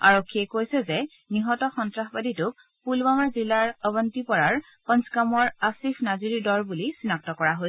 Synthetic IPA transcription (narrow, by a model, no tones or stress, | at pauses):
a̰ɹokʰːiɛkojsɛzɛ | niɦɔtɔxɔntɹaxbaditʊk | pulbamaɹzilːaɹɔbɔntipɔɹaɹ | pɔ̃nsɡamɔɹasifʰnaziɹidɔɹbulisinak̚tɔkɔɹaɦoj